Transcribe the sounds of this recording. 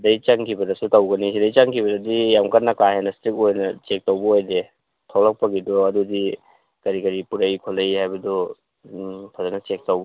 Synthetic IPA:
dɐjt͡ʃaŋkʰibɐdɐsutɐwɡɐnisidɐjt͡ʃaŋkʰibɐdɐdijamkat̚nɐkahenɐstɾik̚ojnɐt͡ʃek̚tawbɐojde | tʰawlɐk̚pɐɡidɔɐdudi | kɐɾikɐɾipuɾɐjkʰolːɐjhajbɐdɔ | pʰɐzɐnɐt͡ʃek̚tawb

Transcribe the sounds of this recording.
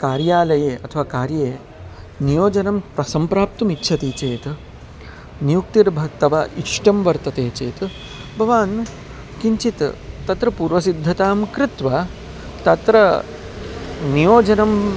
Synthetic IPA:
kaːɾjaːlɐjeːʔɐt̪ʰɐʋaːkaːɾjeː | nijoːd͡ʒɐnɐmpɾɐsɐmpɾaːp̚t̪umitːʃʰɐt̪iːt͡ʃeːt̪ | nijuk̚t̪iɾbʱɐt̪ɐʋɐʔiʂʈɐmʋɐɾt̪ɐt̪eːt͡ʃeːt̪ | bʱɐʋaːn | kiɲt͡ʃit̪t̪ɐt̪ɾɐpuːɾʋɐsid̪ʱːɐt̪aːmkɾɪt̪ʋɐ | t̪ɐt̪ɾɐ | nijoːd͡ʒɐnɐm

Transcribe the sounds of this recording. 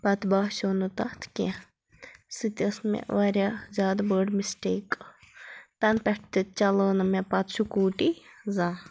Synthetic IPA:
pɐt̪baɦʃonut̪ɐt̪ʰke | sɨt̪ʲəsmḛ̃ʋaɾʲazʲjaːd̪bəːɖmisʈeːk | t̪ɐnpɛʈ̚ʰt̪ɨt͡ʃɐləːnɐmepɐt̪ʃukuːʈizãː

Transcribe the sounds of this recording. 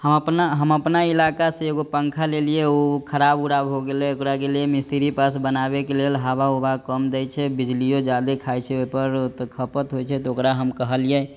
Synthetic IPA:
həməpnaɦəməpnailakasẽeɡopəŋkʰalelijeokʰəɾabuɾabɦoɡelɛokɾakeliemist̪iɾipasbənabekelelɦabaobakəmd̪ɛjt͡ʃʰɛbid͡ʒlijod͡ʒad̪ekʰajt͡ʃʰɛoɦpəɾt̪kʰəpət̪ɦojt͡ʃʰɛt̪ɔokɾaɦəmkəɦəlijɛ

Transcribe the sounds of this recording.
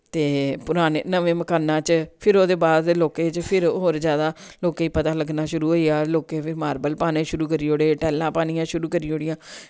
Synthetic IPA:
t̪eːpʊɾaːnḛːnəʋẽːməkaːnãːt͡ʃpʰɪɾoːd̪eːbaːd̪loːkeːt͡ʃpʰɪɾɦoːɾzjaːd̪aːloːkeːiːpət̪aːləɡnaːʃʊɾuːɦoːiaːloːkeːpʰɪɾmaːɾbəlpaːnẽːʃʊɾuːkəɾiːoːɽeːʈɛːlːãːpaːniːãːʃʊɾuːkəɾiːoːɽɪjãː

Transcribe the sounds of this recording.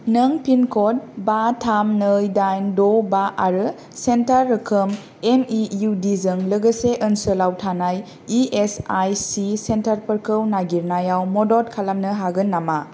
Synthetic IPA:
nəŋpʰinkʰɔd̚batʰamnəjdajndɔbaʔaɾɯ | sentaɾːɯkʰɯm | emijudizɯŋləɡəseʔənsɯlawtʰanaj | iesajsisentaɾpəɾkʰɯwnaɡiɾnajawmɔdɔt̚kʰalamnɯɦaɡɯnːama

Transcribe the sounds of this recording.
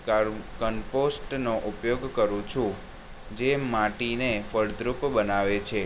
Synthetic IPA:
kənposʈnoʔupjoɡkəɾũt͡ʃʰũ | d͡ʒemaʈinefəɽd̪ɾupbənaʋet͡ʃʰe

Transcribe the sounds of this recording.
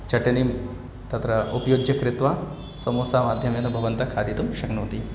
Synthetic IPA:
t͡ʃɐʈɐnim | t̪ɐt̪ɾɐupjoːɡjɐkɾɪt̪ʋa | sɐmoːsaːmaːd̪ʱjɐmjɐnɐbʱɐʋɐnt̪ɐkʰaːd̪it̪umʃɐŋnuːt̪i

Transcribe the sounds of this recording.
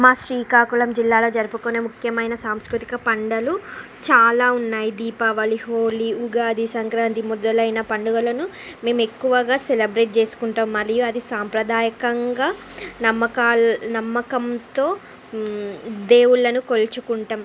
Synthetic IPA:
maːʃɾiːkaːkulɐmd͡ʒilːaːlo̞ːd͡ʒɐɾɐpukoːneːmukʰjɐmɐjnɐsaːmskɾut̪i̥kɐpɐɳɖɐlu | t͡ʃaːlaːunːaːjid̪iːpaːʋɐliɦoːliuɡaːd̪isɐŋkɾaːnt̪imɔd̪ɐlɐjnɐpɐɳɖuɡɐlɐnu | me̞ːme̞kːuʋɐɡaːselɐbɾe̞ːʈ̚t͡ʃe̞ːsu̥kuɳʈaːmmːɐɾijuɐd̪isaːmpɾɐd̪aːjɐkɐŋɡaː | nɐmːɐkaːnɐmːɐkɐmt̪o̞ː | d̪e̞ːwuɭːɐnukolt͡ʃukuɳʈaːm

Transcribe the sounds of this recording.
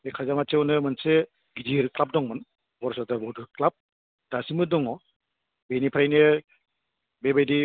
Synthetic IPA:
ekʰazamat͡ʃewnɯmɯnse | ɡidiɾklap̚dɔŋmɯn | bɔɾsɔdaɾbɔduɾklap̚ | dasimɯdɔŋɔ | benipʰɾajne | bebajdi

